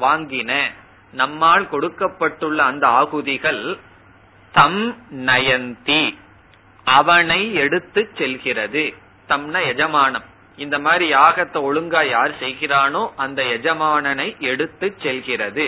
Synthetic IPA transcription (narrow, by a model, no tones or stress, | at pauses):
ʋaːŋɡɪnɐ | nɐmːaːɭkɔɽɯkːɐpːɐʈːɯɭːɐːnd̪ɐaːɣɯðɪɣɐɭ | t̪ɐmnɐjɐnt̪i | ɐʋɐnɐɪɛɽɯt̪ːɯt͡ʃːsɛlɣɪrɐðɯ | t̪ɐmnɐɛd͡ʒɐmaːɳɐm | ɪnd̪ɐmaːd̪ɾijaːɣɐt̪ːɐɔɻɯŋɡaːjaːɾsɛjɣɪraːnoːʔɐnd̪ɐɛd͡ʒɐmaːɳɐnɐɪʔɛɽɯt̪ːɯt͡ʃːɛlɣɪrɐðɯ